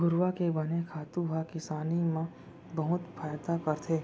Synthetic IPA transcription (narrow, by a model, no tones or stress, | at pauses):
ɡʊɾwakebɐnekʰaːt̪ũbakɪsaːnimã | bəɦʊt̪pʰaːjd̪akəɾt̪ʰeː